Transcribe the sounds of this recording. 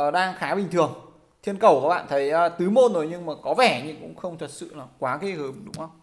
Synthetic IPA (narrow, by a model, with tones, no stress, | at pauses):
ʔəː˨˩ɗaː˧ŋxaː˨˦ɓï̟˨˩ɨ˨˩əŋ | t̪ʰi˧ənkə˨˩wkːɓa̰ː˧˨nt̪ʰə˨˦jt̪ɨ˨˦mo˧nzo˨˦jɲɨ˧ŋmaː˨˩kɔ˨˦vɛ˧˩ɲɨ˧kʊ̰˧˥ŋ͡mxə˧wŋ͡mt̪ʰə˨˩t̚sɨ̰˧˨laː˨˩kwaː˨˦ɣe˧həː˨˦mɗʊ˨˦ŋ͡mʔə˧wŋ͡m